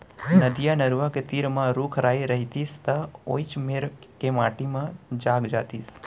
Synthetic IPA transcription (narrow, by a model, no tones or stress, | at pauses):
nəd̪ijanəɾʋaket̪iɾmãɾukʰɾaiɾəɦit̪ist̪ao̰jt͡ʃmeɾkemaːʈimãd͡ʒaːɡd͡ʒaːt̪is